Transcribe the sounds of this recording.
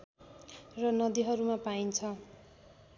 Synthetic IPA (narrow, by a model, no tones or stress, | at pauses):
rʌnʌd̪iɦʌɾumapaint͡sʰʌ